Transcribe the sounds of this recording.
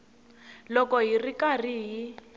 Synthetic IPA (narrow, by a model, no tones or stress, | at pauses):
lɔkɔɦirikariɦi